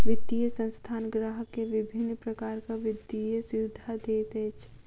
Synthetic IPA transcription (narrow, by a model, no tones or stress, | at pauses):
ʋɪd̪ijəsə̃nst̪ʰaːnɡɾaɦəkeʋɪbʱɪnːpɾəkaːɾkaʋɪd̪ijesjud̪ʱad̪eːt̪ɛːt͡ʃʰ